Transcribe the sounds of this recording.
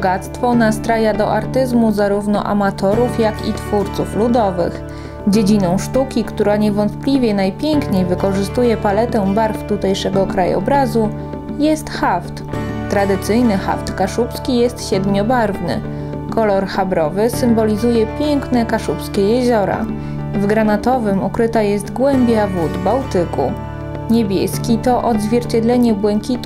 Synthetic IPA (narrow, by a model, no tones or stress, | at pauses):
bɔɡat̪st̪fɔnast̪ɾajad̪ɔ̰ʔaɾt̪ɘzmuzaɾuvnɔʔa̰mat̪ɔɾufjakʲḭt̪fuɾt̪suflud̪ɔvɘ̰x | d͡ʑed͡ʑinɔ̃w̃ʂt̪ukʲikt̪uɾaɲɛvɔnt̪plʲivʲjɛnajpʲjɛŋkɲejvɘkɔʐɘst̪ujɛpalɛt̪ɛbaɾft̪ut̪ɛjʂɛɡɔkɾajɔ̰bɾazu | jɛst̪xaft̪t̪ɾad̪ɘt̪sɘjnɘxa̰ft̪kaʂupskʲijɛst̪ɕɛd̪mʲjɔbaɾvnɘ̰ | kɔlɔɾxabɾɔvɘsɘmbɔlʲizujɛpʲjɛŋknɛkaʂupskʲɛjɛʑɔɾa̰ | vɡɾanat̪ɔvɘmukɾɘt̪ajɛst̪ɡwɛmbʲjavud̪bawt̪ɘkṵ | ɲebʲjɛskʲit̪ɔʔɔd̪zvʲjɛɾt͡ɕɛd̪lɛɲɛbwɛŋkʲit̪